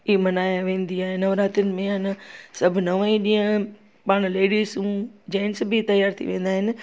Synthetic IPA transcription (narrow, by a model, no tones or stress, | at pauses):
imɐnaːjaʋẽːn̆d̪iaːɦɪnɐʋɾaːt̪ʊnɪ̆mẽɐnsɐbʱnɐʋaːĩɗĩːə̃ | paːɽ̃leːɽiːzũd͡ʑãːnsbʱit̪ɐjaːɾt̪ʰḭʋẽːnd̪aːɦɪnɪ̆